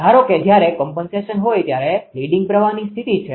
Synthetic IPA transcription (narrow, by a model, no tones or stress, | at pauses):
aɾoked͡ʒjaɾekɔmpənseʃənɦojt̪jaɾeliɖiŋɡ̚pɾəʋanist̪ʰit̪it͡ʃʰe